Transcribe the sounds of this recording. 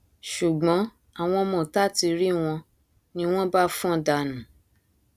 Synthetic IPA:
ʃu˨ɡ͡bɔ̃˨˦ | a˦˨w̃ɔ̃˧mɔ̃˨ta˦˨ti˧ɾi˦w̃ɔ̃˧ | nĩ˧w̃ɔ̃˦ba˦fũ˦˨da˧˨nã˨˦

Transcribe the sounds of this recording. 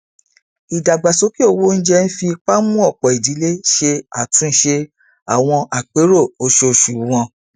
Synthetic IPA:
i˨da˨ɡ͡ba˨so˨˦ki˦o˦˨wo˦n̩˦d͡ʒɛ˦n̩˦fi˧k͡pa˦mũ˦ɔ˦˨k͡pɔ˨i˨di˨˦le˦ʃe˧a˨tũ˨˦n̩˦ʃe˧ | a˨w̃ɔ̃˧ʔa˨k͡pe˨˦ɾo˦˨o˧˦ʃe˧o˧ʃu˨wɔ̃˧

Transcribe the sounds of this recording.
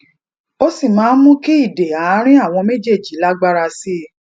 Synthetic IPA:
o˦si˦˨mãː˨˦mũ˦ki˦i˦˨de˨a˨˦ɾ̃ĩ˦a˦˨w̃ɔ̃˧me˦d͡ʒe˦˨d͡ʒi˨˦la˦ɡ͡ba˦ɾa˧si˦˨

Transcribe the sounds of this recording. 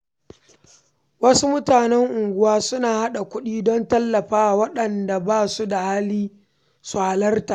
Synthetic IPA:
wɐ˦su˦mʊ˦taː˨nɛ˦ŋʔʊ˨ŋɡʷʊ˦waː˦sʊ˦naː˨ha˦ɗa˨kʷʊ˦ɗiː˦dɔ˦ntɐ˦lːɐ˨ɸaː˦ʔa˨wɐ˦ɗɐ˨nda˨baː˦su˦da˨haː˦liː˦ | su˨ha˨lɐ˦rta˨ʔ

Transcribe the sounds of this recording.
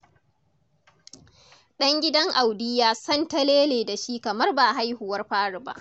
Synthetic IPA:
ɗɐ˦ŋɡʲɪ˦dɐ˦ŋʔa˨wdɪ˦jaː˦˨sɐ˦ntɐ˦leː˦leː˨da˨ʃi˦kɐ˨mɐ˦rba˨ɦa˦jhʊ˨wɐ˦rɸaː˦ɽʊ˨ba̰˦ʔ

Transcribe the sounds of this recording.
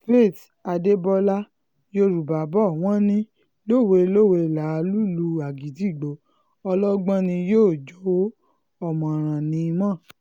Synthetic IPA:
fe˦˨ta˧de˦bɔ˧˦la˦ | jo˧ɾu˨ba˨bɔ˦˨w̃ɔ̃˦nĩ˦ | lo˦˨we˧lo˦˨we˧˨la˨˦˧lu˦lu˧a˨ɡi˨ti˦˨ɡ͡bo˨˦ | ɔ˧lɔ˦ɡ͡bã˦nĩ˧joː˦˨d͡ʒo˨˦ | ɔ˦˨mɔ̃˨ɾ̃ã˨nĩ˨˧˦mã˦˨

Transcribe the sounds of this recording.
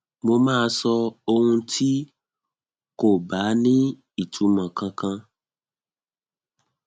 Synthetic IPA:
mo˧mãː˦˧sɔ˧o˧hũ˧tʰi˦ | ko˦˨ba˨˦nĩ˦ | i˦˨tʰu˨˦mã˨kã˧kã˧

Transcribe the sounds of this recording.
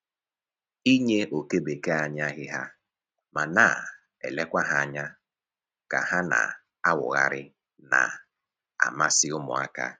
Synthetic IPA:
i˦ɲe˦ʔo˨ke˦be˨ke˦a˨ɲa˦ɣɪ˦ɦa˦ | ma˨naː˦˨ | ḛ˨le˦kʷa˦ɦa˦˨ɲa˦ | ka̰˨ha˦na̰˨ | a˦wʊ̰˨ɣa̰˦ɾɪ̰˦ | na̰˨ | a̰˨ma˦sɪ˦ʊ˦mʊ̰˨a̰˦ka̰˦

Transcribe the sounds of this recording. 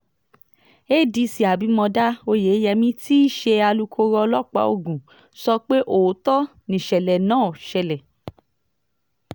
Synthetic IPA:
e˦˨di˧˦si˨a˨bi˨˦mɔ̃˧da˦o˧je˨˦jɛ˧mĩ˦ti˦i˦ʃe˧a˧lu˧kʰo˧ɾɔ˧lɔ˦k͡pa̰˨˦o̰˧˨ɡũ˨ | sɔ˧k͡pe˦ʔo˨˦tɔ˦ | nĩ˨ʃɛ˨lɛ˨nãː˦˨ʃɛ˧lɛ˨

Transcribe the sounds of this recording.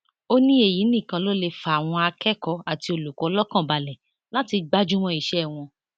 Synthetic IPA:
o˦nĩ˦e˦˨ji˨˦nĩ˦˨kã˧˦lo˦le˧fa˨w̃ɔ̃˧a˧kɛ˦kɔ˧a˨ti˧o˧˨lu˨kɔ˨˦lɔ˦kã˦˨ba˧lɛ˨ | la˦ti˧ɡ͡ba˦d͡ʒu˦w̃ɔ̃˧i˦˨ʃɛ˦˨w̃ɔ̃˧

